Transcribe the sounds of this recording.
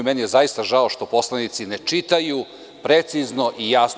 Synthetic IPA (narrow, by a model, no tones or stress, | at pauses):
menijezajist̪aʒaoʃt̪o̞po̞slˠanit̪sinet͡ʂit̪aju | pɾet̪sizno̞ʔijaːs